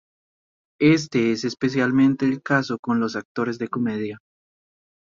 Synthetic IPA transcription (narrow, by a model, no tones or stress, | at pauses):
e̞s̬t̪eesespe̞s̬jalmẽnt̪e̞ːlkaso̞ko̞nlo̞s̬ak̚t̪o̞ɾe̞zðe̞ko̞meðja